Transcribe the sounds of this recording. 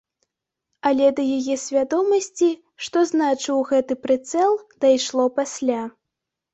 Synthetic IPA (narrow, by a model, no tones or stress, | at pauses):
ɐlʲɛd̪ɐjajɛsʲvʲad̪ɔmɐsʲt͡sʲi | ʂt̪ɔznat͡ʂɨwɣɛt̪ɨpɾɨt̪sɛlˠd̪̥ajʂlˠɔpasʲlʲa